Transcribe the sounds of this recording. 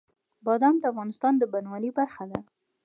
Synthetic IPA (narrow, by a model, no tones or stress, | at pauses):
bɑd̪ɑmd̪əafɣɑnɪst̪ɑnd̪əbanwalibaɾxad̪a